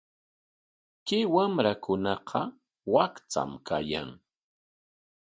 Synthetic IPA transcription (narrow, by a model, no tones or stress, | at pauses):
kɪwamɾakʊnɑqʰɑ | wakt͡sa̰mkaja̰ŋ